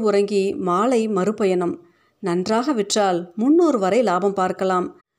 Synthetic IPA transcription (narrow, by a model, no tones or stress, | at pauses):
ʊɾɐŋɡimaːlɐɪmɐɾɯpːɐjɐnɐm | nɐndraːɣɐʋɪʈraːlmʊnːoːɾɯʋɐɾɐɪlaːbɐmpaːɾkɐlaːm